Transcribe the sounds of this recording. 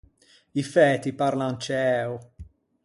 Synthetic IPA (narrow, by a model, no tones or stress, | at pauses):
ifɛːt̪ipaɾlant͡ʃɛːu